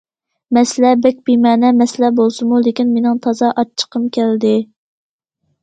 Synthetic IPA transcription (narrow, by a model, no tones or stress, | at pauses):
mɛslɛbɛk̚ʲb̥imɛːnɛmɛslɛbolˠsɨmulekʲinmenɪŋt̪ʰɑzɑʔɑt͡ʃʰːə̥qʰəmkʲʰæld̪ɪ